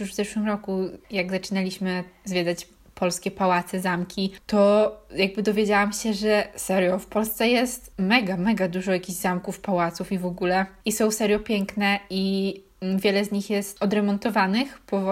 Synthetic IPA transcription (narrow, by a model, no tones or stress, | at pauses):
juʐvzɛʂwɘmɾɔkujaɡzat͡ʂɘnalʲiɕmɘzvʲjɛd̪at͡ɕ | pʰɔlskʲɛpawat̪sɛzamkʲit̪ɔjaɡ̚bɘd̪ɔvʲjed͡ʑawamɕɛʐɛsɛɾjɔfpɔlst̪sɛjɛst̪mɛɡamɛɡad̪uʐɔjakʲiʑzamkufpawat̪sufivɔɡulɛisɔ̃w̃sɛɾjɔpʲjɛŋknɛi | vʲjɛlɛzɲixjɛst̪ɔd̪ɾɛmɔnt̪ɔvanɘxpɔ